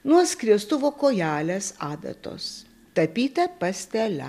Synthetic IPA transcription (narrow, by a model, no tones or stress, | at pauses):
nuɔskɾʲiɛst̪ʊʋoːkoːjæːlʲesɑːd̪ɐ̰t̪o̰ːs | t̪ɐpʲiːt̪ʲɛpɐsʲt̪ʲɛlʲɛ̰